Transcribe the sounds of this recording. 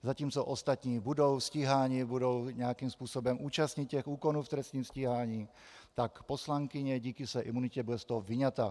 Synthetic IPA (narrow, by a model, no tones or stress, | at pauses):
zaciːmt͡sɔʔɔst̪at̪ɲiːbud̪ɔʊsciɦaːɲibud̪ɔʊɲɛakiːmspuːsɔbɔmʔuːt͡ʃast̪ɲitːɛxuːkɔnuːft̪ɾɛst̪niːmsciɦaːɲiː | t̪akpɔslaŋkiɲɛɟiːkisʋɛjʔimunicɛbuɟɛst̪ɔɦɔʋiɲat̪aː